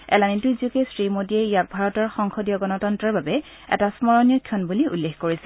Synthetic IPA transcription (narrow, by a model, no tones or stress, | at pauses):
ɛ̰lanituziʊkɛsɹimodiɛijak̚bʱaɹɔtɔɹxɔŋxɔdijɔɡɔnɔtɔntɹɔɹbabɛ | ɛ̰tasmɔɹɔnijɔkʰjɔnbuliṵlːexkoɹisɛ̥